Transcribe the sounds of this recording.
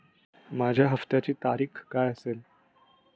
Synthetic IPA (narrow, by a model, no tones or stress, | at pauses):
mad͡ʑʱjaɦəft̪jat͡ɕiːt̪aɾiːxkajəsel